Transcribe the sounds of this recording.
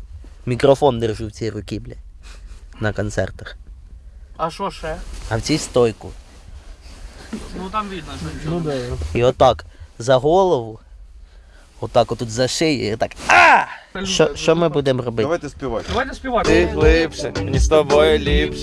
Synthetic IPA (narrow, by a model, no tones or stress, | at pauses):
mʲikrɔfɔnd̪erʒuwt͡sʲijrʊkʲiblʲɪ | nɐkɔnt̪sɛ̰rt̪ɐx | ɐʃɔʃɛɐwt͡sʲijst̪ɔjkʊ̰ | nut̪ɑmʋʲid̪nɐd̪iɔt̪ːɑkzɐɦɔlˠɔʋʊ | ɔt̪ːɑkɔt̪ːut̪zɐʃɪj̰ɔt̪ːɑkaʃɔʃt͡ʃɔmɪbud̪ɪmrɔbɪɐʋajt̪ɛspʲɪʋatʲd̪ɐʋajt̪spʲɪʋaɪlˠɪpʃɛnʲist̪ɐbojʊlʲipʃ